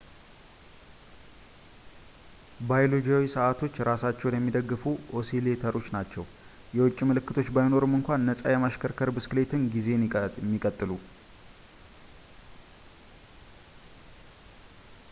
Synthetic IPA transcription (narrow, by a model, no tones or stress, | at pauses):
bajlod͡ʒawisəʔat̪ʰo̞t͡ʃːɾasat͡ʃːɛwnəmːid̪əɡːɨfuʔosilet̪ʰəɾo̞t͡ʃːnat͡ʃːɛw | jɛwʊt͡ʃʼːimɨlɨkːɨt̪ʰo̞t͡ʃːbajɪno̞ɾɨmɨŋkʷanːəsʼajɛmaʃkʰəɾkʰəɾbɨskɨle̞t̪ʰɨnɡize̞mːikʼət̪ʼːɨlu